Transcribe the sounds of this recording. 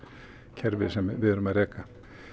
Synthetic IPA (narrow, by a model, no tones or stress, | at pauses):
cʰɛɾvɪsɛmvɪðʏɾʏmaðɾɛːka